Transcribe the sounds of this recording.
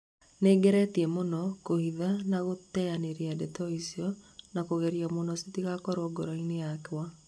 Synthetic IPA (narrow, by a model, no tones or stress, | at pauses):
neɡɛɾɛtiɛmonɔkohiðanaɣotɛaneɾiadɛtɔisiɔnakoɣeɾiamonɔsitiɣakɔɾoɡoɾainejakewa